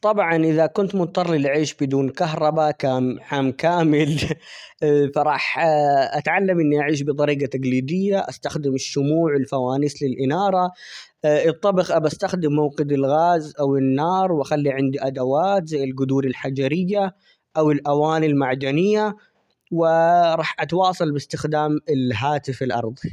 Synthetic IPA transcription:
t̪ˤɑbʕɑnʔɪðakʊnt̪mʊt̪ˤːɑɾˤlilʕiːʃbɪd̪uːnkaɦɾˤɑbakaːnħaːmkaːmɪl | fɑɾˤɑːħʔat̪ʕalːamʔɪnːiʔaʕiːʃ̬bɨt̪ˤɑɾiːɡat̪aɡliːd̪ɪjːaʔast̪axd̪ɪmɪʃːʊmuːʕwɪlfawaːnɪθlɪlʔɪnɑːɾˤɑ | ʔɨt̪ˤːɑbɪxʔabaʔast̪axd̪ɪmːawqɪd̪ɪlɣaːzʔawɪnːɑːɾˤwʔaxalːiʕɪnd̪iʔad̪awaːt̪zajːɪlɡʊd̪uːɾɪlħad͡ʒaɾɪjːa | ʔawɪlʔawaːnilmaʕd̪anɪjːa | wɪɾˤɑːħʔat̪wɑːsˤɑlbɪst̪ɪxd̪aːmɪlɦaːt̪ɪfɪlʔɑ̰ɾˤðˤ

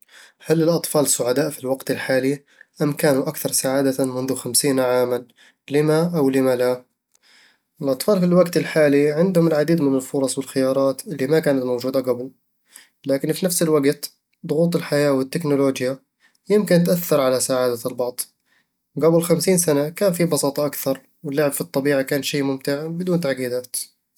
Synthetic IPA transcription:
halɪlʔɑt̪ˤfɑːlɪsːʊʕad̪aːʔfilwaɡt̪ɪlħaːli | ʔamkaːnuʔakθɑɾˤsaʕaːd̪amʊnðʊxamsiːnʕaːman | lɪmaʔawlɪmala | ɪlʔɑt̪ˤfɑːlfilwaɡt̪ɪlħaːliʕɪnd̪hʊmɪlʕad̪iːd̪mɪnɪlfʊɾˤɑsˤwɪlxɪjɑːɾˤɑːt̪ʔɪlːimakaːnat̪mowd͡ʒuːd̪aɡabl | laːkɪnfinafsɪlwaɡt̪ | d̪ˤʊɣuːt̪ˤɪlħajaːwɪt̪ːɪknʊloːd͡ʒja | jɪmkɪnt̪ʔaθːɑɾˤʕalasaʕaːd̪albɑʕd̪ˤ | ɡablxamsiːnsanakaːnfibɑsˤɑːt̪ˤɑʔakθɑɾˤ | wɪlːaʕɪbfit̪ˤːɑbiːʕakaːnʃeːmʊmt̪ɪʕbɪd̪uːnt̪aʕɡiːd̪aːt̪

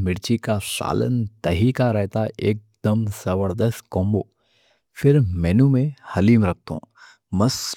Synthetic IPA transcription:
mɪɾt͡ʃikasa̰ːlə̰nt̪ɐɦiːkaɾɛɦt̪aʔeːk̚d̪əmz̥əbəɾd̪əst̪̚kɔ̃ːmboː | fʰɪɾmɛːnũmẽhɐliːmɾɐk̚t̪õ̰ː | mɐs

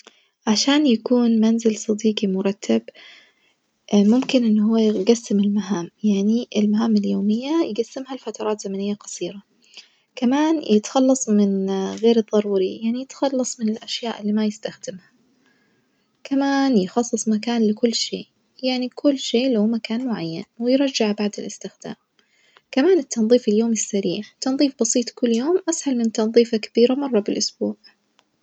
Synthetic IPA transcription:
ʕaʃaːnjakuːnmanzɪlsˤɑd̪iːqimʊɾˤɑt̪ʰːab | mʊmkɪnʔɪnːɦʊwːaɡasːɪmɪlmaɦaːmjaʕniʔɪlmaɦaːmɪljoːmɪjːajɡasːɪmhalfat̪ɑɾˤɑːt̪z̥amanɪjːaqɑ̥sˤiːɾa | kamaːnjʔɪt̪xɑlːɑsˤmɪnɣeːɾɨðˤːɑɾˤuːɾijaʕnijɪt̪xɑlːɑsˤmɪnɪlʔaʃjaːʔɪlːiːmajɪst̪axd̪ɪmhḁ | kamaːnjɪxɑsˤːɨsˤmak̬aːnlɪkʊlːʃḛːʔ | jaʕnikʰʊlːʃeːlawmakaːnmʊʕajːanwɪjɾˤɑd͡ʒːaʕbaʕd̪ɪlɪst̪ɪxd̪̥a̰ːm | kamaːnɪt̪ʰːɑnðˤiːfɪljoːmɪsːaɾiːʕt̪ːɑnðˤiːfbɑsˤiːt̪ˤkʊlːjoːmʔashalmɪnt̪ɑnðˤiːfakḁb̥iːɾamɑrˤːɑbɪlʔʊsb̥uːʕ

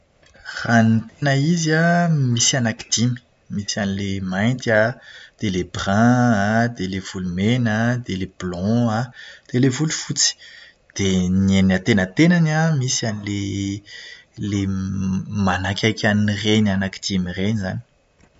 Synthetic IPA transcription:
ranit̪enəizamisianaki̥d̪̥imi̥ | misianilemajnt̪ad̪̥elebrãad̪elev̥ulumenəd̪eleb̥lɔ̃ad̪̥elevulufut͡si̥ | d̪̥enenat̪enət̪enanamisianile | le | manakʲajkʲanirenanaki̥d̪̥imireniza̰ni̥

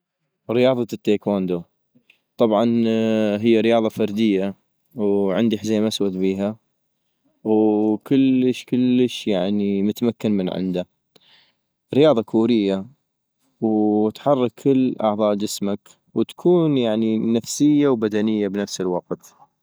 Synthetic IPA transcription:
ɾɪjɑːðˤɑt̪ːeːkwaːnd̪u | t̪ˤɑbʕɑnɦɪjːaɾɪjɑːðˤɑfɑɾd̪ɪjːa | wʕɪ̰nd̪iħzeːmʔaswad̪biːɦa | wkəlːəʃkəlːəʃjaʕnimʊt̪amakːanmənʕɪ̰nd̪a | ɾɪjɑːðˤɑkʰuːɾɪjːa | wt̪ħɑrˤːɑkʰːəlːʔɑ̰ʕðˤɑːʔd͡ʒɪsmak | wt̪kʰuːnjaʕninafsɪjːawbad̪anɪjːabnafsəlwɑq̚t̪

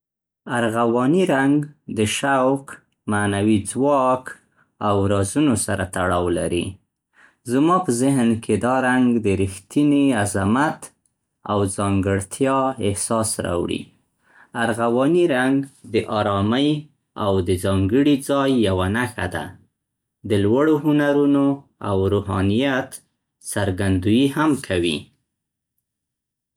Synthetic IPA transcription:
aɾɣawɑniɾaŋɡd̪əʃawk | manawid͡zwɑk | awɾɑzunosaɾat̪aɽɑwla̰ɾḭ | zmɑpəzɪɦnkʰed̪ɑɾaŋɡd̪əɾixt̪iniazamat̪ | a̰wzɑŋɡəɽt̪ʰjɑɪhsɑsɾɑ̰wɽḭ | aɾɣawɑniɾaŋɡd̪əʔɑɾɑməj | awd̪əzɑŋɡəɽid͡zɑjːawanaxa̰d̪a̰ | d̪əlwaɽoɦʊnaɾunoa̰wɾuhɑnijat̪ | saɾɡand̪ujihamkʰawḭ

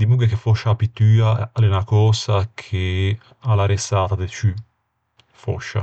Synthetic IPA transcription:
d̪imuɡakefɔʃːapit̪ːyːalenakɔːsakʰe | alːaɾesaːt̪ad̪et͡ʃy | fɔ̰ʃːa̰

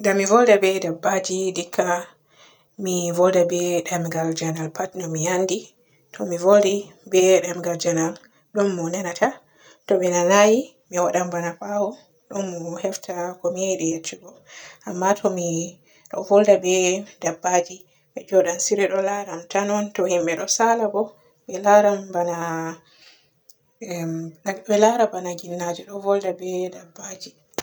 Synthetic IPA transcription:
ɡamivɔldabɛdabːad͡ʒidikʰːa | mivɔldabɛɗamɡald͡ʒanalpatnɔmijandi | tʰɔmivoldibɛɗamɡald͡ʒanal | ɗɔnːɔnanatʰa | tɔmɛnanaji | miwaɗambanapawɔ | ɗɔnːɔhɛftʰakɔmiɛɗɛjet͡ʃːiɡɔ | ʔamːatʰɔmi | ɗɔ̰vɔldabɛdabːad͡ʒi | ɓɛd͡ʒɔɗansiɾɛɗɔlaɾamtanɔntɔhimɓɛɗɔsalabɔ | ɓɛlaɾambana | bɛlaɾabanaɡinːad͡ʒɛɗɔvɔldabɛdabːad͡ʒi

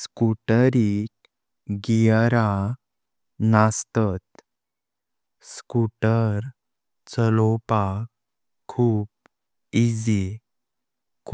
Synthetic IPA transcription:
skuʈəɾik | ɡijəɾa | nast̪ət̪ | skuʈəɾ | t͡səlopa | kʰuːp̚ | id͡zi | kʰ

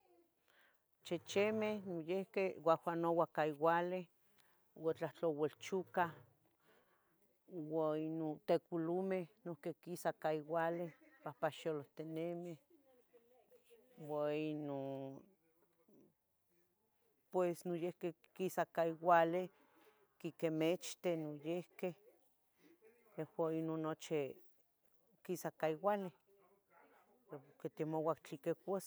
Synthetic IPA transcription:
t͡ʃet͡ʃemehnojehkewawanowakaiwale | wat͡ɬat͡ɬowelt͡ʃuka | wainot̪ekulumehnohkekisakaiwalepapaʃoloht̪enemeh | waino | pwesnojehke | kisakaiwale | kikemet͡ʃt̪enojehkeh | jehwainonːot͡ʃi | kisakaiwale | eket̪emowakt͡ɬikekes

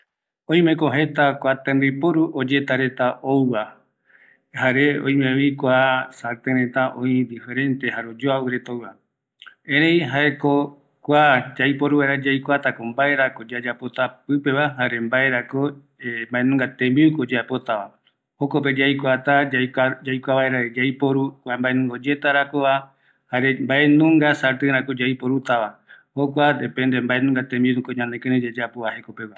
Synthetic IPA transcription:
õĩmẽ̞koɦe̞t̪akʷat̪ẽmbipoɾuʔod͡ʒe̞t̪aɾe̞t̪aʔowβa | haɾeõ̰j̃mẽβikʷasaɾt̪ẽɾẽ̞t̪aʔõid̪ife̞ɾẽ̞nt̪e̞haɾod͡ʒoawɨɾe̞t̪owβa | ẽɾẽj̃ɦae̞ko | kʷad͡ʒajpoɾuβeɾad͡ʒajkʷat̪akombae̞ɾakod͡ʒad͡ʒapo̞t̪apɨpe̞βaɦaɾe̞mbae̞ɾako | embaẽnũŋɡat̪ẽmbiukod͡ʒaepo̞t̪aβa | hokop̬e̞d͡ʒajkʷat̪aad͡ʒajkʷaβaeɾad͡ʒajpoɾukʷẽmbaenũŋɡo̞d͡ʒe̞t̪aɾakoβa | haɾe̞mbaʔenũŋɡasaɾt̪ɨɾãkod͡ʒajpoɾut̪aβa | hokʷad̪epend̪e̞mbae̞nũŋɡat̪ẽmbiunũkoɲãnekẽɾed͡ʒad͡ʒapoβahe̞ko̞peβa

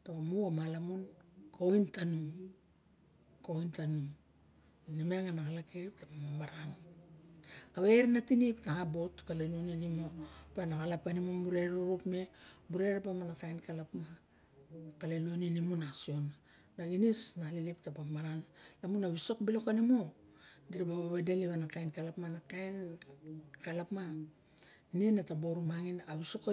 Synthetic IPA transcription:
taβamuamalamunkʰojntanuŋ | kojntanuŋ | nameŋanakalakeip̚tapamamaɾan | kaβeɾnatinipnaabotkaleluonenimopanakalapanimomuɾe̞ɾuɾupme̞buɾe̞ɾpamanakajnkalapma | kaleluonienimunasio̞n | daɡinisnaliliptapamaɾanlamunaβiso̞kbilo̞kanimodiɾababaβadeliβanakajnkalapmanakajn | kalapma | nenatabo̞ɾumaŋinaβiso̞ka

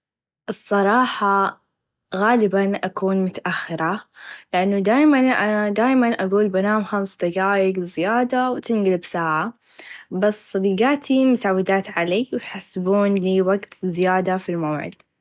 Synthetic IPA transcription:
ʔɨsˤːɑɾˤɑːħɑ | ɣaːlɪbanʔakuːnmʊt̪aʔaxːɪɾalɪʔanːʊd̪aːjmanʔd̪aːjmanʔaɡuːlbanaːmxamsd̪aɡaːjɪɡzɪjaːd̪awt̪ɪnɡɪlbsaːʕa | basːˤɑd̪iːɡaːt̪ʰimʊsawːɪd̪aːt̪ʕaliːwjħasbuːnliːwaɡt̪zːɪjaːd̪afilmawʕɪ̰d̪̥

